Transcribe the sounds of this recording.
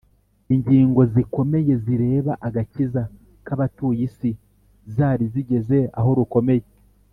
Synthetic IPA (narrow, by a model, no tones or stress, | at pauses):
iɲɟiːŋɡo̞ziko̞me̞je̞ziɾe̞ːβaʔaɡaciza | kaβatuːjisi | zaːɾiziɟe̞ze̞a̰ɦo̞ɾuko̞me̞je